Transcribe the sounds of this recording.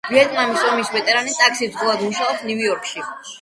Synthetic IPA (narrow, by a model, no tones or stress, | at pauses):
viɛt̪ʼnamisɔmisvɛt̪ʼɛɾanit̪ʼakʰsizɔlˠad̪muʃaɔpsnujɔɾkʃi